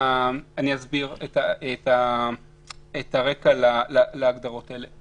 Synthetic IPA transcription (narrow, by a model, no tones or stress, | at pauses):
aniazbiʁetaeta | ethaʁe̞kalalalaːɡd̪aʁo̞taele